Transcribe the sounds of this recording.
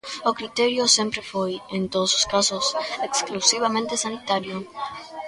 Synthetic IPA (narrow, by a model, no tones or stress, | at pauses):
okɾit̪eɾjosempɾefojẽnt̪oðososkasoseksklusiβ̞amẽnt̪esanit̪aɾjo